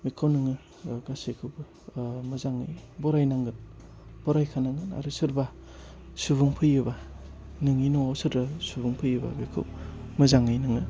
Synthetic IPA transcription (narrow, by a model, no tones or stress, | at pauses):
bikʰawnɯŋɯ | ɡasekʰɯwbɯ | mɯzaŋɯjbɔɾajnaŋɡɯn | b̥ɔɾajkʰanaŋɡɯna̰ɾusɯɾba | subuŋpʰɯjɯba | nɯŋinoasɯɾbasubuŋpʰɯjɯba̰bikʰɯ̰wmɯzaŋɯjnɯŋɯ